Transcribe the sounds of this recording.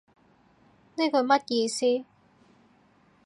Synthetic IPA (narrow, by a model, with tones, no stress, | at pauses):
ne˥kʰɵ˨˧ɥmɐ˥t̚jiː˧siː˥